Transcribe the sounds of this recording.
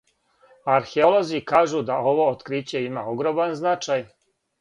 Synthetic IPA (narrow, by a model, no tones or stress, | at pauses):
aɾxeolo̞zikaːʒud̪ao̞ʋo̞ot̪kɾit͡ɕe̞imao̞ɡɾo̞manznat͡ʃaj